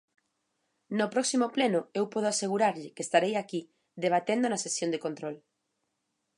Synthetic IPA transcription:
nʊpɾɔksimoplenʊewpɔð̞oaseɣuɾaɾʎɪkest̪aɾejaki | ðeβ̞at̪end̪onɐsesjond̪ekont̪ɾɔl

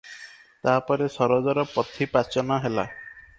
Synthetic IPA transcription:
t̪aɦapɔɾesɔɾɔd͡ʒɔɾɔpɾɔt̪ʰipat͡ʃɔnɔɦela̰

